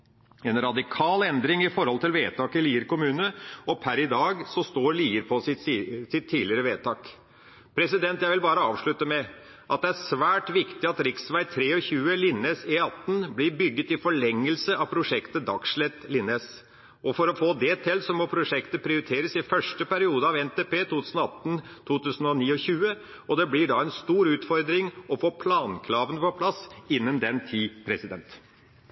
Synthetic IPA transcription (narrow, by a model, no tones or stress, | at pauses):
ɛnɾɑd̪ɪkʰɑːlɛnd̪ɾɪŋɪfɔɾhɔlt̪ʰɪlʋeːt̪ʰɑːkɪliːəɾkʊmʉːnəɔpʰæɾɪd̪ɑːɡsɔst̪oːɾɭiːəɾpʰɔsɪsɪt̪ʰːiːlɪɾəʋeːt̪ʰɑːk | pʰɾɛsɪd̪ɛnt̪jæɪʋɪlbɑːɾəɑːʋʂɭʉt̪əmɛ | ʔɑt̪̚d̪ɛæsʋæːʈʋɪkt̪ɪɑt̪ɾɪksʋæɪt̪ʰɾeːɔçʉːəlɪnːesɪɑt̪ːn̩blɪɾbʏɡːət̪ɪfɔɭɛŋːəlsəʔɑʋpʰɾʊʂɛkt̪əd̪ɑkʂɭɛt̪lɪneːs | ʔɔfɔɾɔfoːd̪ɛt̪ʰɪlsɔmɔpʰɾʊʂɛkt̪əpʰɾɪʊɾɪt̪ʰeːɾəsɪfœʂʈəpʰæɾɪuːd̪əɑʋɛnt̪eːpeːt̪ʰuːt̪ʰʉːsnɔɑt̪ːn̩t̪ʰuːt̪ʉːsən̩ɔniːɔçʉːə | ɔd̪ɛblɪɖɑɛnst̪uːɾʉːt̪fɔɾd̪ɾɪŋɔfoːpʰlɑːnkʰɾɑːʋənəpʰɔpʰlɑsɪnːənd̪ɛnt̪ʰiːpʰɾɛsɪd̪ɛnt̪